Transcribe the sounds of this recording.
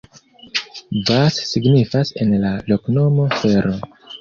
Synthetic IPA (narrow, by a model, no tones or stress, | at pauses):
vasːiɡnifase̞̰nlalo̞kno̞mo̞fe̞ɾo̞